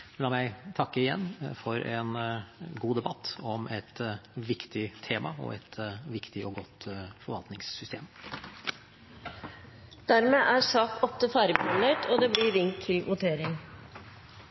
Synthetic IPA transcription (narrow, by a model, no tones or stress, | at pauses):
lɑːmæɪt̪ʰɑkːəɪjɛ̰nːfɔɾɛnɡuːd̪ɛbɑt̪ːɔmɛt̪ʋɪkt̪ɪt̪ʰeːmʔɑ̰ɔ̰ɛt̪ʋɪkt̪ɪʔɔɡɔt̪fɔɾʋɑlt̪nɪŋsːʏst̪ʰḛːm | d̪̥æɾmeːʔæsɑːkɔft̪əfæːɾɪbɑnet̪ɔːd̪ɛbliːɾɪŋt̪ʰɪlʋʊt̪ʰeːɾɪŋ